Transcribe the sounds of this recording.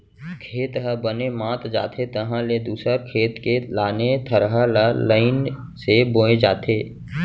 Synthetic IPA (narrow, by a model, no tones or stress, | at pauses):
kʰeːt̪ɦəbənemãːt̪d͡ʒa̰ːt̪ʰet̪əɦãled̪uːsəɾkʰeːt̪kelaːnet̪ʰəɾɦalaləɪn | seboːed͡ʒaːt̪ʰeː